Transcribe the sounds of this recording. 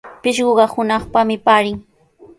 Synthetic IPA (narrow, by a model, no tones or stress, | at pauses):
pɪʃɢoɢɑhʊnɑχpamɪpaːɾɪŋ